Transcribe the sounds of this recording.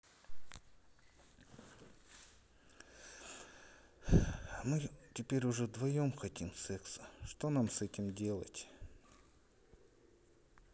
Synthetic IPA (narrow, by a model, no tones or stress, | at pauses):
mɨtʲɪpʲeɾʲʊʐɛd̪vɐjomxɐtʲimsɛksəʂt̪onamsɛtʲɪmdʲe̞lˠə̰tʲ